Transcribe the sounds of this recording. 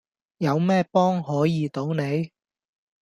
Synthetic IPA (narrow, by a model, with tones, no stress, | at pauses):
jɐ˨˧wmɛː˥pɔː˥ŋɦɔː˨˥jiː˨˧t̪o˨˥wne˨˧j